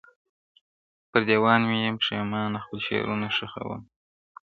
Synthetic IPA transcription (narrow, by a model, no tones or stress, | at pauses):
pəɾd̪ewɑnwijamʂemɑnaxpəlʃḛɾunaʂəxa̰wə̰m